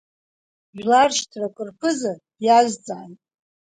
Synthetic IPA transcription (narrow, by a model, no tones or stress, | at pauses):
ʒᶣlarʃtʰrakʷʼɨrpʰɨzḁ | jaʒd͡zʼaːnt